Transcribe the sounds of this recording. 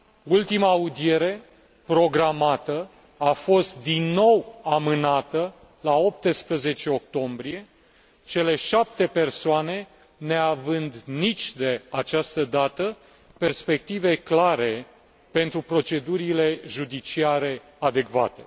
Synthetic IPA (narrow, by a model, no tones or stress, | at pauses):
ult̪imaːud̪ie̞ɾe̞ | pɾo̞ɡɾamat̪ə | afo̞st̪̚d̪inːo̞wamɨnat̪ə | lao̞p̚t̪əspɾəze̞t͡ʃe̞o̞k̚t̪o̞mbɾie̞ | t͡ʃe̞le̞ʃap̚t̪e̞pe̞rsoane̞ | ne̞avɨnd̪nit͡ʃʲd̪e̞at͡ʃast̪əd̪at̪ə | pe̞rspe̞k̚t̪ive̞klaɾe̞ | pe̞nt̪ɾupɾo̞t͡ʃe̞d̪uɾile̞ʒud̪it͡ʃiaɾe̞ | ad̪e̞kva̰t̪e̞